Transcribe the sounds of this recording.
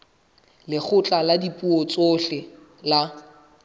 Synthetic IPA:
lɪk͡xʰʊt͡ɬʼaladipʼuɔt͡sʼoɬɪ | la

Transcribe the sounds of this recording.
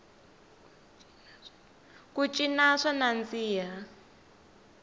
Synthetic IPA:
kut͡ʃʼinaʂanand͡ziːja

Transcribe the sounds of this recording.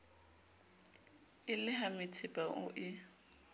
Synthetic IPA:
ɪlɪhamɪtʰɪpʼaʔʊ̰ʔɪ

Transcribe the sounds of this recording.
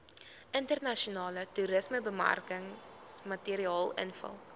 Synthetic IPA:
ʔəntərnɐʃionɑːlətuɾəsməbəma̰rkəŋ | smɐtiəɾiɑːlˠə̰nfə̰lˠ

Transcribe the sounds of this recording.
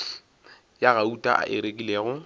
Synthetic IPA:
jaɣautʼa̰ʔa̰ʔɪɾekʼileːɣʊ

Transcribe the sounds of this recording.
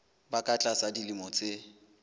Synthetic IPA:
bakʼat͡ɬʼasadilimɔt͡sʼe

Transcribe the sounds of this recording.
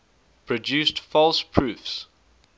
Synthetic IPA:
pʰɹɔdʉːˑstfɔlˠspʰɹʉːˑfs

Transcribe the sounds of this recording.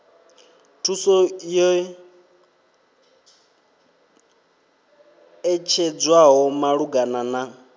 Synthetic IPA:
tʰusɔjɔ | ɛt͡ʃʰɛd͡zwaɦɔmaɺuɡanana

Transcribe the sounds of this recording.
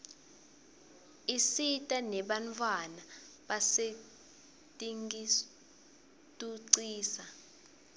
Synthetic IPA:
isitʼanɛɓantʰwanaɓase | tʼiŋi | tʼuǀiːsa

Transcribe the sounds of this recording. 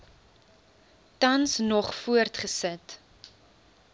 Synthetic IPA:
tɐnsnɔχfuərtχəsət

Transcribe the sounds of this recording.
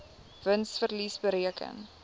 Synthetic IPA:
vənsfərlisbəɾiəkʰə̰ŋ

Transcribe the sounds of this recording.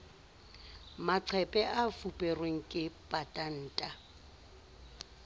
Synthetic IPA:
maǀʰɛpʼɛʔafupʼɛrweŋ̩kʼɪpʼatʼan̩ːtʼa

